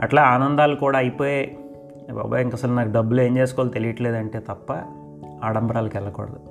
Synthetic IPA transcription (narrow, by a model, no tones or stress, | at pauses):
ɐʈlaːaːnɐnd̪aːlukuːɽaːɐjipo̞ːje | ba̰ːbaːiŋkɐsɐlunaːkuɖɐbːule̞ːɲd͡ʒe̞ːsu̥koːlt̪elijiʈle̞ːd̪ɐɳʈe̞ːt̪ɐpːɐ̰ | aːɽɐmbɐɾaːlukɛlːɐkɔ̰ːɽɐd̪u